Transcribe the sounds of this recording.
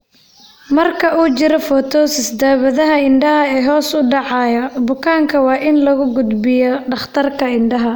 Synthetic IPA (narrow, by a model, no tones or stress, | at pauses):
mɐrkʰɐuːt͡ʃɪɾɔfɔt̪ʰɔːsɪsd̪aːβɐðɐɦɐɪnɖɐɦɐɛːɦɔːsʊɖɑʕɑːjɐbʊkʰaːŋkʰɐwɑːʔɪnlɐɣʊɡʊd̪bɪjɔɖɑχt̪ʰɐrkʰɐɪnɖɐɦɐ